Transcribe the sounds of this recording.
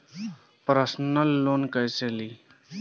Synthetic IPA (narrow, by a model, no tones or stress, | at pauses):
pɾəsnəlːoːnkəjseːliː